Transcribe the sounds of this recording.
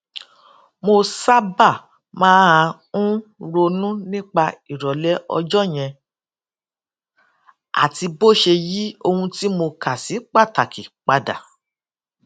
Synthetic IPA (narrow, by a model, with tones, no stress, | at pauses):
mo˧sa˦ba˦˨ | mãː˦ã˧ | ũ˦ɾo˧nũ˦nĩ˦k͡pa˧i˨ɾɔ˨lɛ˦ɔ̰˧d͡ʒɔ˦˨j̃ɛ̃˧ | a̰˨ti˧bo˦ʃe˧ji˦o˧hũ˧ti˦mo˧ka˨si˨˦k͡pa˦˨ta˨kʰi˨k͡pa˧da̰˨